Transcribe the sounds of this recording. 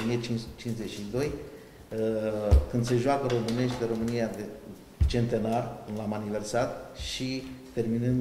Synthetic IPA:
niet͡ʃit͡ʃinze̞t͡ʃʃid̪o̞j | kɨnd̪se̞ʒoakəɾo̞mɨne̞ʃt̪ʲd̪eɾo̞mɨnijad̪e | t͡ʃe̞nt̪e̞narkɨnd̪lamanive̞rsat̪ʃit̪e̞rminɨn

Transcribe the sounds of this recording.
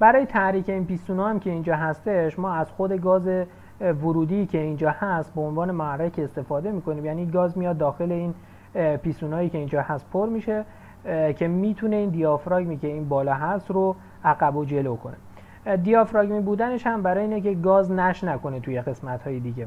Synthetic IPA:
b̥æɾɒːjet̪ʰæɾiːcʰe̞iːnpiːsuːnɒːæmcʲʰe̞iːnd͡ʒɒːɦæst̪e̞ʃmɒːæz̥xod̪e̞ɡɒːze̞ | voɾuːd̪iːcʲʰe̞ind͡ʒɒːhæst̪̚beonvɒːne̞moærːæcʰeːst̪e̞fɒːd̪e̞miːko̞niːmjæniːɡɒːzmijɒd̪ːɒːxe̞le̞iːn | piːsuːnɒːjiːcʰe̞iːnd͡ʒɒːhæst̪̚pʰoɾmiʃe̞ | cʰe̞miːt̪ʰune̞iːnd̪ijɒfɾɒɟmiːcʰe̞iːnbɒːlɒːɦæst̪ɾo | ʔæɣæbod͡ʒe̞lokʰo̞ne̞ | d̪iɒːfɾɒɡmiːbuːd̪æne̞ʃhæmbæɾɒːjeiːnekce̞ɡɒːznæʃnækʰo̞net̪ʰuje̞ɣe̞smæt̪hɒːjed̪iɟe̞

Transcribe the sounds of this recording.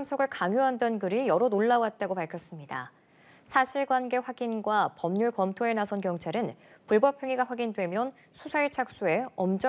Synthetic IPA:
msʰʌɡɯɭkaŋjoɦandʌnɡɯɾijʌɾonoɭːawat̚t͈aɡopaɭkʰjʌs͈ɯmɲida̰ | sʰaɕʰiɭɡwanɡe̞ɸwaɡinɡwapʌmɲuɭkʌmtʰoe̞nasʰʌnkjʌŋt͡ɕʰaɾɯn | puɭbʌpʰjʌŋiɡaɸwaɡindwe̞mjʌn | sʰusʰait͡ɕʰak̚s͈ue̞ʌmd͡ʑʌ

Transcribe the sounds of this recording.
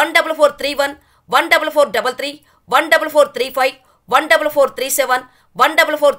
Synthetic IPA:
ɐnɖɐbɐlfoːɾt̪ɾiːʋɐn | ʋɐnɖɐbɐlfoːɾɖɐbɐlt̪ɾiː | ʋɐnɖɐbɐlfoːɾt̪ɾiːfɐɪʋ | ʋɐnɖɐbɐlfoːɾt̪ɾiːsɛʋɐn | ʋɐnɖɐbɐlfoːɾ

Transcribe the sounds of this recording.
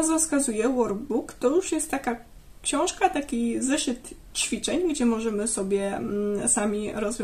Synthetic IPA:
zɾɔskazujɛwɔɾbukt̪ɔjuʂjɛst̪ːaka | kɕɔ̃w̃ʂkat̪akʲizɛʂɘt̪ | t͡ɕfʲit͡ʂɛɲɡd͡ʑɛmɔʐɛmɘsɔbʲjɛsamʲiɾɔzvʲjɔ̃

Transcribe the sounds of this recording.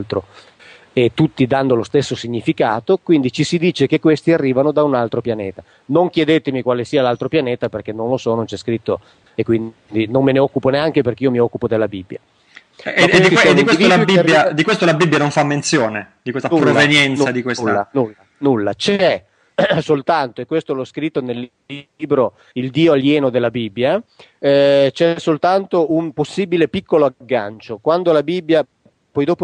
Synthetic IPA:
lt̪ɾo | et̪ːut̪ːid̪anːolost̪esːosiɲːifikaːt̪okwind̪it͡ʃisid̪iːt͡ʃek̟ekːwest̪iarːiːvanod̪aunalt̪ɾopjaneːt̪a | noŋkjɛd̪et̪emikwaːlesiːalalt̪ɾopjanɛːt̪aperkenːõnlosɔnont͡ʃɛskɾit̪ːo | ekːwin | d̪inomːeneɔkːuponeaŋkeperkeiːomiɔkːupod̪elːabibːja̰ | esikt̪iɛd̪inkeisiolabijad̪ikwest̪olabibːjanoɱfamːent̪sjoːned̪ikwest̪aupɾɾovenjɛnt̪nsad̪ikwesːa̰nulːa | nulːa̰t͡ʃɛ | solt̪ant̪oekːwest̪olɔskɾit̪ːonelː | iːbɾo | ild̪iːoaljɛːnod̪elːabibːja | t͡ʃɛsolt̪ant̪oumposːiːbilepikʰːoloaɡːa̰nt͡ʃokwand̪olabibːja | pɔjd̪oːpo

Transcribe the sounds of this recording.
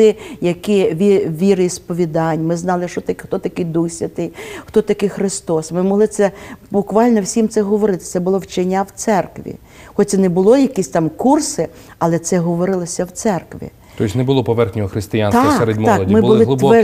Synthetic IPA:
ɪjɐkɪʋʲiʋʲiɾɪispɔʋʲid̪ɑnʲmɪznɑlˠɪʃɔt̪ɐkxt̪ɔt̪ɐkɪjd̪uxsʲʋʲɐt̪ɪjxt̪ɔt̪ɐkɪjxɾɪst̪ɔsmɪmɔɦlˠɪt̪sɛbʊkʋɑlʲnɔwsʲimt̪sɛɦɔʋɔɾɪt̪ɪ̥t̪sɛbʊlˠɔwt͡ʃenʲːawt̪sɛrkʋʲḭ | xɔt̚ʲsɛnɛbʊlˠɔjɐkisʲt̪ɑmkursɪ | ɐlˠɛt̪sɛɦɔʋɔɾɪlˠɔsʲɐwt̪sɛrkʋʲḭ | tɔɪsʲnɛbʊlˠɔpɔʋɛrxnʲɔɦɔxɾɪst̪ɪjanst̪ɑɛɾed̪ʲmɑkɔdmmɪblbʊlˠɪʊɛ

